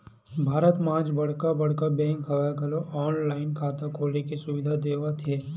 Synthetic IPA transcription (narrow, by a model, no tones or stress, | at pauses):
bʱaːɾət̪mãːd͡ʒbɐɽ̤kabɐɽ̤kabɛ̃ːŋkʰɐʋakɐloʔɔːnlaːɪnkʰaːt̪akʰoːlekisʊʋɪd̪ʱad̪eːʋət̪ʰeː